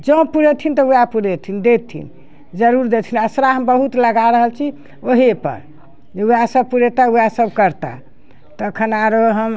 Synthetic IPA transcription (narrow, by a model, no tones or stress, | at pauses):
d͡ʒə̃puɾet̪ʰint̪ɔujapuɾet̪ʰind̪et̪ʰḭn | d͡ʒəɾuɾd̪et̪ʰinəsɾaɦəmbəɦut̪ləɡaɾəɦəlt͡ʃʰi | oɦepə̰ɾ | d͡ʒeujasəb̚puɾet̪aujasəbkəɾt̪a̰ | t̪əkʰənaɾoɦəm